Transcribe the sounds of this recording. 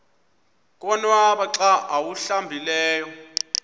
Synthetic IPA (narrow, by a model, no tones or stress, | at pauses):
kʼɔnwaɓaǁaʔawuɬambʱilɛːjɔ